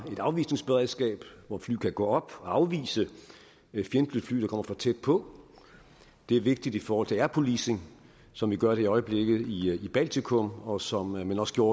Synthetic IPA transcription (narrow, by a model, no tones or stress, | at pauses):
e̝d̥ɑ̈ʊʋḭːsne̝ŋsb̥eʁɛðˠsɡ̥ɛ̰ːb̥ʋɒfly̰ːkʰæɡ̥ɔ̰ːɒ̽b̥ɑ̈ʊʋḭːsə | fjenb̥ʰlyð̩ˠfly̰ːd̥ɑ̈kʰɒ̽m̰ɐfɒ̽t͡sʰed̥̚pʰɒ̽ | d̥e̝æɐʋe̝ɡ̥̚d̥id̥ifɒːhɒl̰t͡sʰe̝æɐpʰo̝lise̝ŋ | sɒ̽mʋiɡ̥ɶɐɾe̝iɒ̽ɪəb̥leɡ̥ð̩ˠiib̥æl̰t͡sʰikʰɔ̽mɒ̽sɒ̽mmænɒ̽sɡ̥jo̝ːɐ